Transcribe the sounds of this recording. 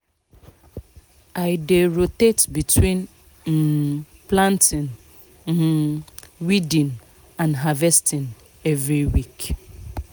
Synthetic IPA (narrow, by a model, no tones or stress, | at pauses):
aɪdeɹotetbitʰwĩn | m̩ | plãntʰĩn | m̩ | widĩn | ãnɦavɛstʰĩn | ɛvɹiwik